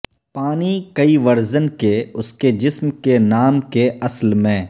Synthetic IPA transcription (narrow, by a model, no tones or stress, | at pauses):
paːnikɐiʋɐɾzənkeʊsked͡ʒɪsmkenaːmkeʔɐslmẽː